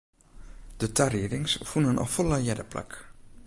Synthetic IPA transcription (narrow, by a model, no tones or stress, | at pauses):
d̥ətʰariɾɪŋsfunənʔɔ̰fɔləjɛdəpla̰k